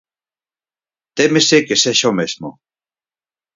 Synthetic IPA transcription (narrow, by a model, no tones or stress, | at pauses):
t̪emesekeseʃomezmo̰